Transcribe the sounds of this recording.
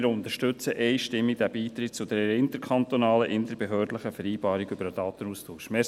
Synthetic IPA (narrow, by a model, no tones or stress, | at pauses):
ɾʊnt̪əʃtʏt͡səʔɛjʃtɪmːid̥̪æbiːt̪ɾɪt̚t͡sʊd̥̪ɛɾəɪnt̪əɾkʰχɑnt̪onɑːləʔɪnd̪əɾb̥eɦœːrdləχəfɛɾiːbɑːɾiɡʏbəɾəd̥ɑːt̪ənustʰuːʃmeː